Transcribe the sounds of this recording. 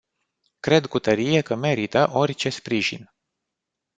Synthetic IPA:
kɾe̞d̪kut̪əɾije̞kəme̞ɾit̪əʔo̞rʲt͡ʃe̞spɾiʒḭn

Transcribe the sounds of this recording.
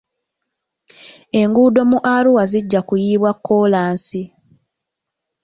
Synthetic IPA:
e̞ŋɡuːdo̞muʔaluwaziɟːakujiːβwakʰːo̞ːlaːnsi

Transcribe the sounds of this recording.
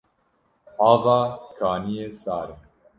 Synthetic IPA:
ɑːvaːkʰaːnijeːsaːɾɛ

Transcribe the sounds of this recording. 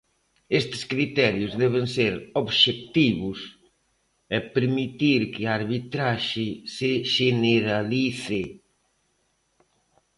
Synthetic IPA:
est̪ɪ̥skɾit̪ɛɾjʊzðɛβ̞ɪŋseɾoβʃek̚t̪iβʊs | ɛpeɾmit̪iɾkɪaɾβit̪ɾaʃɪsɪʃeneɾaliθɪ

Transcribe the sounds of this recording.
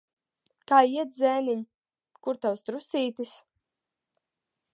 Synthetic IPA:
kaːiɛt̪zɛːniɲ | kuɾt̪awst̪ɾusiːt̪is

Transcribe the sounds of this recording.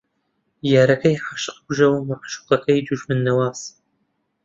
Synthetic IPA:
jaːɾɐkʰɐjɪħaʃqɡʷʊʒɐwmɨqʃʊ̥qɐkʰɐjɪd͡ʒʊʒmɨnːɐwaːs

